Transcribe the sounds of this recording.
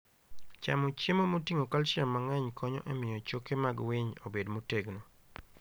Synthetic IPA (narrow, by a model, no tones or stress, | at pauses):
t͡ʃa̰mot͡ʃemomotiŋokalt͡ʃjamːaŋɛɲkʰɔɲɔ̰ʔɛmɪjɔt͡ʃokemaɡwɪɲo̰bedmoteɡno